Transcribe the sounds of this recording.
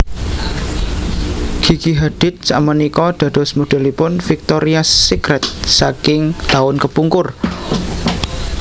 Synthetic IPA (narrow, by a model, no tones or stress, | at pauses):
ɡ̥i̤ɡ̥iɦad̪̥ɪ̤t̪̚samənikɔd̪̥a̤d̥ɔ̤smud̥ɛ̤lipʊnfik̚t̪oɾiasikɾɛt̪̚sakɪŋt̪aʊnkəpuŋkʊr